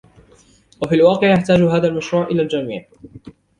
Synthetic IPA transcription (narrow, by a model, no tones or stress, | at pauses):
wafiːlwɑːqɪʕjaħt̪aːd͡ʒʊɦaːðalmaʃɾuːʕʔɪlaːld͡ʒamḭːʕ